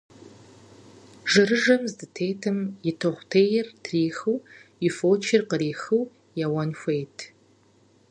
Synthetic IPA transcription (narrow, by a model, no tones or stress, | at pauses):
ʒɨɾɨʒɐmzdɨtʰejtʰɐmjɪtʰoχʷtʰeːjɪrtʰriːxɨwɪfoːt͡ʃʰɪrqəɾiːxɨw | jɐwɐnxʷejtʰ